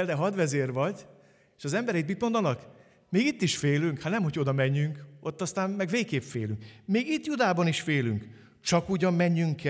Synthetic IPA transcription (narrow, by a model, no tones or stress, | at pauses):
ld̪ɛɦɒd̪ʋɛzeːrʋɒɟ | eːʃɒzɛmbɛɾɛit̪̬mit̪mo̞nd̪ɒnɒk | meːɡit̪ːiʃfeːlyŋkhat̪nɛmho̞cʰo̞d̪ɒmɛɲːyŋko̞t̪ːɒst̪aːmmɛɡʋeːkeːpfeːlyŋkmeːɡit̪jud̪aːbɒniʃfeːlyŋk | t͡ʃɒkuɟɒmːɛɲːyŋkɛ